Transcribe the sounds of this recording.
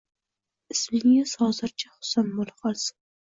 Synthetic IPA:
ɪsmɪŋɪz̥hɒzɪɾt͡ʃʰahʊ̥sanbolˠqɒlˠsɪ̥

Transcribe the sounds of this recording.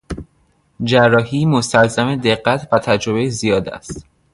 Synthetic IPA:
d͡ʒærːɒːhiːmost̪ælzæme̞d̪e̞ɢːæt̪ʰvæt̪ʰæd͡ʒɾo̞bejezijɒːd̪æ̰st̪

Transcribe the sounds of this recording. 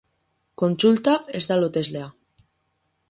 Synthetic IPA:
konsult̪aezd̪alot̪ezlea

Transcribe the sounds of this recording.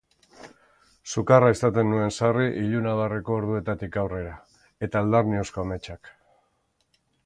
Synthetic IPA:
sukaraesat̪enːue̞nsariʔiʎunaβ̞areko̞ːɾð̞ue̞t̪at̪ikawre̞ɾa | e̞t̪aːld̪arnio̞sko̞ame̞t͡ʃak

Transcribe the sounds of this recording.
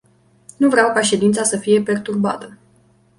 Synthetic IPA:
nuvɾeawkaʃe̞d̪int̪sasəfije̞pe̞rt̪urba̰t̪ə

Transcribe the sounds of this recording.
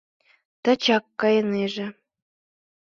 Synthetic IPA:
t̪ɑ̆t͡ɕɑkːɑjɤ̆neʒĕ

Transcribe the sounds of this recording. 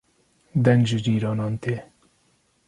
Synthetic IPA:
d̪ɛŋɡʒɨd͡ʒiːɾɑːnɑːnt̪eː

